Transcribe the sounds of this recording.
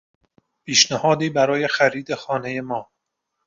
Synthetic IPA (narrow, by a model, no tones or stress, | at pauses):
pʰiːʃnæhɒːd̪iːbæɾɒːje̞xæɾiːd̪e̞xɒːne̞je̞mɒː